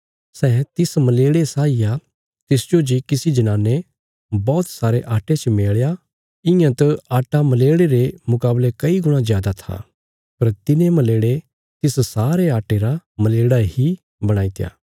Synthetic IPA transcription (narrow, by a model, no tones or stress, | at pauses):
sɛːt̪ɪsmɐleːɽesaːija | t̪ɪsd͡ʒod͡ʒikɪsid͡ʒɐnãːnːe | bɔːt̪saːɾeʔaːʈet͡ʃmeːɭja | ɪ̃jãt̪əaːʈamɐleːɽeɾemʊkaːblekɐiɡʊɽ̃ãzjaːd̪at̪ʰa̰ | pɐɾt̪ɪnemɐleːɽe | t̪ɪssaːɾeaːʈeɾamɐleːɽaɦi | bɐɽ̃aːit̪eja̰ː